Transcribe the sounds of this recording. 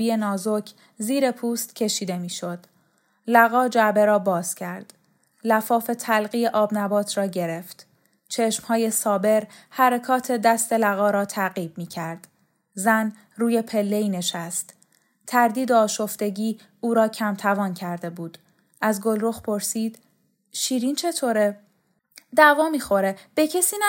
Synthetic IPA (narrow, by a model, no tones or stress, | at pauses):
iːenɒːzo̞cʰ | ziːɾe̞pʰuːst̪cʰe̞ʃiːd̪e̞miːʃo̞d̪̥ | læɣɒːd͡ʒæbe̞ɾɒːbɒːz̥cʰæɾd̪̥ | læfɒːfe̞t̪ʰælɣijeʔɒːbnæbɒːt̪ʰɾɒːɟe̞ɾe̞ft̪ | t͡ʃʰe̞ʃmhɒːje̞sɒːbe̞ɾhæɾekʰɒːt̪ʰe̞d̪æst̪e̞læɣɒːɾɒːt̪ʰæɣiːb̚miːcʰæɾd̪̥ | zæn | ruːje̞pʰe̞lːe̞iːne̞ʃæst̪ | t̪ʰæɾd̪iːd̪eɒːʃo̞ft̪e̞ɟiː | uːɾɒːcʰæmt̪ʰævɒːncʰæɾd̪e̞buːd̪̥ | ʔæzɡo̞lɾoxpʰo̞ɾsiːd̪̥ | ʃiːɾint͡ʃʰe̞t̪ʰoːɾe | d̪ævɒːmiːxo̞ɾeb̥e̞cʰesiːn